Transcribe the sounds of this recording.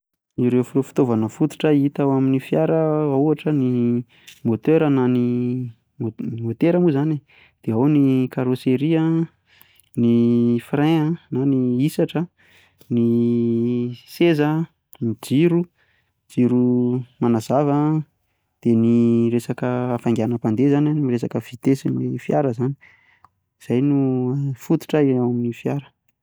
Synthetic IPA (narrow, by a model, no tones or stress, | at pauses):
iɾewfiofi̥t̪ovanəfut̪u̥ʈ͡ʂəit̪awaminifjaɾəauaʈ͡ʂəni | mot̪øɾənani | mot̪eɾəmuzani | d̪̥eawnikaɾoseɾiə | nifrẽənaniisaʈ͡ʂə | ni | sezə | nid͡ziɾu | d͡ziɾumanazavə | d̪̥eniresakəafaŋɡʲanəpand̪ezananamiresakəv̥it̪esinefijaɾəzani̥ | z̥ajnufut̪u̥ʈ͡ʂaawaminifjaɾə̥